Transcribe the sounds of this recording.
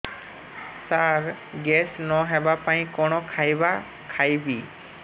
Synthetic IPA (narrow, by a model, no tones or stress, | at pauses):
saɾ | ɡɛsnɔɦɛbapaj̃kɔɽ̃ɔkʰajba | kʰajbi